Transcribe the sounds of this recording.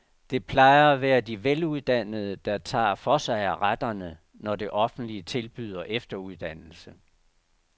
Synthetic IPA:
d̥e̝pʰlɑ̈ɪɐæʋæːɐd̥iʋeluð̞ˠd̥æn̰əð̞ˠəd̥ɑ̈t͡sʰɑ̰̈ːfɒ̽sɑ̈ɪæʁad̥ɐnə | nɒd̥e̝ʔɒ̽fn̩d̥liət͡sʰe̝lb̥y̰ð̰ˠɐʔefd̥ɐuðˠd̥æn̰l̩sə

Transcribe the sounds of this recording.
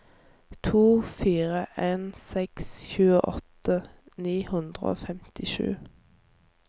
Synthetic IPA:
t̪ʰuːfiːʁəʔeːnsɛksçʉːəʔɔt̪ə | niːhʉnd̪ʁə̰o̰ːfɛmt̪ɪʃʉ̰ː

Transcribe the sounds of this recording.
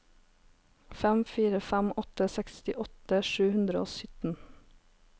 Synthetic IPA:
fɛmfiːɾəfæmʔɔt̪əsɛkst̪ɪʔɔt̪əʃʉːhʉnd̪ɾəo̰ːsʏt̪n̩

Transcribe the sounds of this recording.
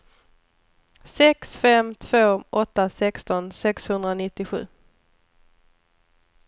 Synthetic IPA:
sɛksfɛmt̪ʰv̥oːʔɔt̪ːasɛkst̪ɔnsɛkshɵnd̪ɾaonɪt̪ːɪɧʉ̟̰ː

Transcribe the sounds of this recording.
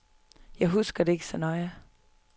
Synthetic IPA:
jɑ̈ɪɦusɡ̥ɐde̝e̝ɡ̥əsɒnɒɪə

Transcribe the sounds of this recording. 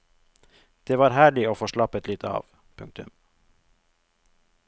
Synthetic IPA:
d̪̥eːʋɑːɾhæːɭɪoːfoːʃɭɑpət̪lɪt̪ʰɑ̰ːʋ | pʰʉŋk̚t̪ʉm

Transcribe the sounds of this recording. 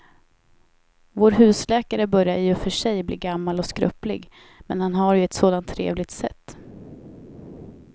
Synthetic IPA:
voːɾɦʉ̟ːslɛːkaɾəbœɾjajɵfœʂɛjbliːɡamːalɔskɾœplɪ̰ɡ | mɛ̰nhanɦaɾjɵɛt̪soːd̪ant̪ʰːɾḛːvlɪt̪sɛ̰t̪ː

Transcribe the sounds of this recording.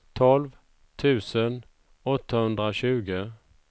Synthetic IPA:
t̪ʰɔlv | t̪ʰʉ̟ːsən | ɔt̪ːahɵnd̪ɾaɕʉ̟ːɡə

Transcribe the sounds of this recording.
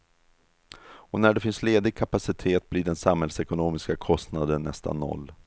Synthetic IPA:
ɔnæɖɛfɪnsleːd̪ɪɡ̚kʰapasɪt̪ʰeːt̪̚bliɖɛnsamhɛlsɛkʊnoːmɪskakʰɔst̪nad̪ənːɛ̰st̪a̰nːɔ̰lː

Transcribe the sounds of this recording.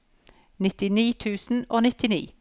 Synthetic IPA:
nɪt̪ɪniːt̪ʰʉːsn̩oːnɪt̪ɪnḭː

